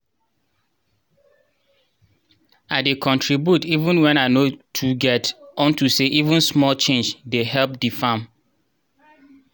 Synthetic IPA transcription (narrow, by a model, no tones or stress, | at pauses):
aɪdekʰɔ̃ntʰɹibjutivə̃nwɛ̃naɪnotʰuɡɛtɔ̃ntuseʔivə̃nsmɔlt͡ʃẽnd͡ʒdeɦɛlp̚difãm